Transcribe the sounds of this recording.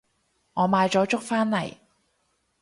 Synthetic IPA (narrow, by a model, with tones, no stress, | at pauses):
ŋɔː˨˧maː˨˧jt͡sɔː˨˥t͡sʊ˥k̚faː˥nlɐ˨˩j